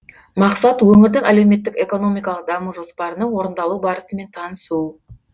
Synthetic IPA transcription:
mɑqsɑt̪wɵŋɪɾd̪ɪŋæle̞wme̞t̪ːɪke̞ko̞no̞mijkɑlˠəq̚d̪ɑmuʒo̞spɑɾənəŋwo̞ɾənd̪ɑlˠubɑɾəsəme̞nt̪ʰɑnəsu

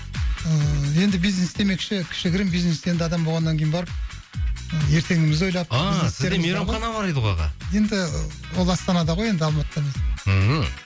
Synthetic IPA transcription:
əje̞nd̪ɪbijznesd̪e̞me̞kʃɪkʲʰɪ̥ʃɪɡʲɪɾɪmbijznesend̪ɑd̪ɑmbolˠʁɑnːɑŋkʰʲejinbɑɾəp̚ | je̞ɾt̪e̞ŋɪmɪzo̞jlˠɑp̚ɑizessɪzeɾd̪emeɾɑwɑnɑbɑɾɑjd̪əʁojʁɑ̰je̞nd̪ɪ | wo̞lˠɑst̪ɑnɑd̪ɑʁoje̞nd̪ɪɑlˠmɑt̪ət̪ɑməz̩

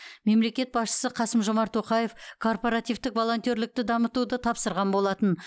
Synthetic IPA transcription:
me̞mle̞kʲe̞t̪̚bɑsʃə̥səqʰɑsəmʒo̞mɑɾt̪ʰːo̞qɑje̞fkʰo̞rpoɾat̪ijvt̪ɪkvo̞lˠo̞nt̪o̞ɾlɪk̚t̪ɪd̪ɑmət̪ud̪ət̪ʰɑpsəɾʁɑnbo̞lˠɑt̪ən

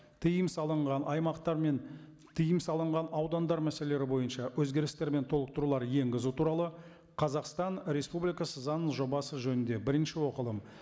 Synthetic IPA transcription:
t̪ʰijɪmsɑlˠəɴʁɑnʔɑjmɑqt̪ɑɾmen | t̪ʰijɪmsɑlˠəɴʁɑnɑwd̪ɑnd̪ɑɾmæse̞leeɾɪbo̞jənʃɑwʔɵzɡʲe̞ɾɪst̪e̞ɾme̞nt̪ʰo̞lˠəq̚t̪əɾulˠɑɾje̞ŋɡʲɪzut̪ʰuɾɑlˠə | qʰɑzɑqst̪ɑnɾe̞spublijkɑsəzɑnəsʒo̞bɑsəʒɵnɪnd̪e̞bɪɾɪnʃɪwo̞qəlˠəm

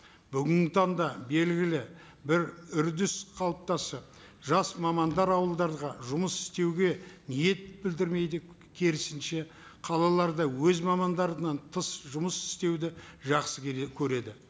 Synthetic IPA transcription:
bʏɡʲɪnɪt̪ʰɑnd̪ɑbe̞lɡʲɪlɪ | bɪɾʏɾd̪ɪsqʰɑlˠəp̚t̪ɑsə | ʒɑsmɑmɑnd̪ɑɾɑwəlˠd̪ɑɾʁɑʒʊməsɪ̥st̪e̞wɡʲe̞nije̞t̪̚bɪld̪ɪɾme̞jd̪ɪ | kʲʰeɾɪsɪnʃe̞ | qʰɑlˠɑlˠɑɾd̪ɑwɵzmɑmɑnd̪ɑɾənɑnt̪ʰəsʒʊməsɪ̥st̪e̞wd̪ɪʒɑqsəkʲʰɵɾe̞d̪ɪ

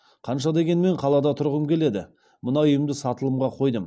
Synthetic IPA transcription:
qʰɑnʃɑd̪e̞ɡʲe̞nme̞ɴqʰɑlˠɑd̪ɑt̪ʰʊɾʁəmkʲʰe̞le̞d̪ɪ | mʊnɑʊjəmd̪əsɑt̪əlˠəmʁɑqʰo̞jd̪əm

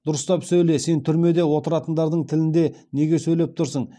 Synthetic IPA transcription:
d̪̥ʊɾəst̪ɑpsɵjle̞se̞nt̪ʰʏɾme̞d̪e̞wo̞t̪əɾɑt̪ənd̪ɑɾd̪əɴt̪ʰɪlɪnd̪e̞ne̞ɡʲe̞sɵjle̞p̚t̪ʰʊɾsəɴ

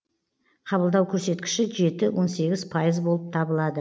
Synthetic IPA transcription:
qʰɑβəlˠd̪ɑwkʲʰɵɾse̞t̪kʲɪ̥ʃɪʒe̞t̪ɪwʔo̞nse̞ɡʲɪz̥pʰɑjəzbo̞lˠəp̚t̪ʰɑbəlˠɑd̪ə

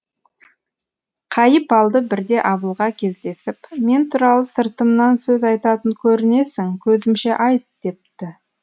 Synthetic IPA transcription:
qʰɑjəpɑlˠd̪əbɪɾd̪e̞ʔɑbəlˠʁɑkʲʰe̞zd̪e̞sɪpme̞nt̪ʰuɾɑlˠəsəɾt̪əmnɑnsɵzɑjt̪ɑt̪əŋkʲʰɵɾɪne̞sɪŋkʲʰɵzɪmʃe̞ʔɑjt̪̚d̪̥e̞p̚t̪ɪ

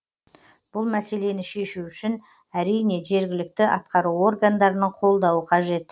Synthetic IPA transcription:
b̥ʊlˠmæse̞le̞nɪʃe̞ʃuʏʃɪn | æɾijne̞ʒe̞ɾɡʲɪlɪk̚t̪ɪʔɑt̪̚qɑɾuwo̞rɡand̪ɑɾənəɴqʰo̞lˠd̪ɑwəqʰɑʒe̞t̪

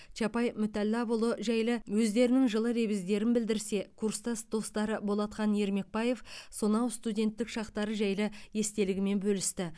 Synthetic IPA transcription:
t͡ʃʰɑpɑjmʏt̪ælːæbolˠəʒæjlɪwɵzd̪e̞ɾɪnɪŋʒəlˠəɾe̞bɪzd̪e̞ɾɪnbɪld̪ɪɾse̞kʰuɾst̪ɑsd̪o̞st̪ɑɾəbo̞lˠɑt̪qɑnje̞ɾme̞k̚pɑje̞fsonɑwst̪udʲe̞nt̪ːɪkʃɑqt̪ɑɾəʒæjlɪje̞st̪e̞lɪɡʲɪme̞nbɵlɪst̪ɪ

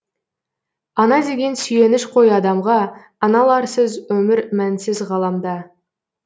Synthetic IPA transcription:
ɑnɑd̪e̞ɡʲe̞nsʏje̞nɪʃqʰo̞jɑd̪ɑmʁɑː | nɑlˠɑɾsəzwɵmɪɾmænsɪzʁɑlˠɑmd̪ɑ

